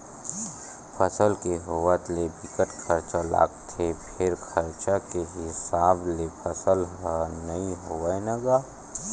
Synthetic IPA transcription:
pʰəsəlkeɦʊwət̪lebɪkəʈkʰəɾt͡ʃala̰ːɡt̪ʰepʰɪɾkʰɐɾt͡ʃakeɦɪsaːblepʰəsəlɦanɐĩɦoaenəɡaː

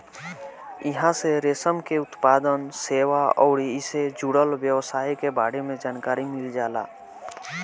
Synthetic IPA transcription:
ɪɦãseɾeːsəmkeʊt̪paːd̪ənseːʋaɔːɾɪsed͡ʒuɽəlʋjəwsaːikebaːɽemẽd͡ʒaːnkaːɾimɪld͡ʒaːla̰ː

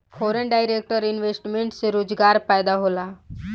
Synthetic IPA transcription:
fɔɾeɳɖajɾek̚ʈəɾinʋesʈmeɳʈseɾoːd͡zɡaɾpajd̪aɦola

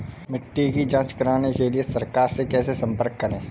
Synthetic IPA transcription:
mɪʈːikid͡ʒãːt͡ʃkɐɾaːnekeliesɐɾkaːɾsekɛːsesɐ̃mpəɾkːɐɾẽː

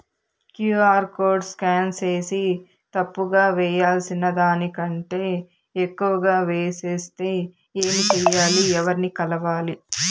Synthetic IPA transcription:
kjuːaːɾko̞ːɾɖskaːnse̞ːsi | t̪ɐpːuɡaːʋɛːjaːlsinɐd̪aːnikɐɳʈe̞ː | ekːuʋɐɡaːʋeːseːst̪e̞ː | eːmit͡ʃɛːjaːliɛʋɐɾinikɐlɐʋaːli

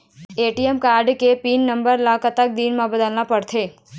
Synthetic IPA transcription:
eːʈiɛmkaːɾɖkepiːnːɐ̃mbəɾlaːkət̪ɐk̚d̪iːnmãbɐd̪əlnapɐɽt̪ʰeː

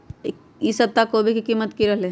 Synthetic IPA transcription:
isɐt̪ːakobʱikikimːət̪kiɾəɦle

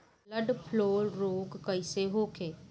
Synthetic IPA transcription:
ləɖpʰloːlɾoːɡkɐɪseɦoːkʰeː

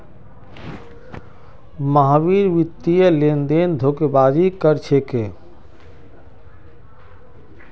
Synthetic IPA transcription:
maɦabiɾʋit̪ːijəlend̪end̪ʱokebad͡ʒikəɾt͡ʃʰeke

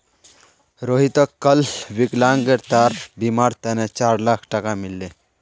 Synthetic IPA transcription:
ɾoɦit̪əkːəlʋiklaŋɡɡəɾt̪aɾbimaɾt̪enet͡ʃaɾlakʰʈəkamilːe

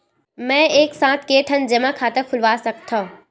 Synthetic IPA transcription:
mɛ̃ːeːksãːt̪̚ʰkeːʈʰənd͡ʒɐmãkʰaːt̪ɐkʰʊlʋaːsɐk̚t̪ʰo

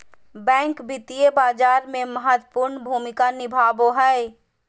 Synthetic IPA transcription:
bɛ̃ːŋkbɪt̪iebaːd͡ʒaːɾmẽməɦət̪wəpʊɾɳbʱuːmɪkanɪbʱaːboɦɛe

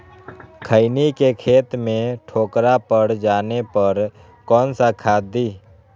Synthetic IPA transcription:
kʰəɪnikekʰeːt̪mẽʈʰoːkɾapəɾd͡ʒaːnepəɾ | kɔːnsakʰaːd̪iː

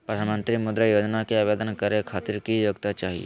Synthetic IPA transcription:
pɾəd̪ʱanmə̃nt̪ɾimʊd̪ɾəjoːd͡ʒnakeabed̪ənkɐɾekʰaːt̪iɾkijoɡt̪at͡ʃaːɦḭḛ

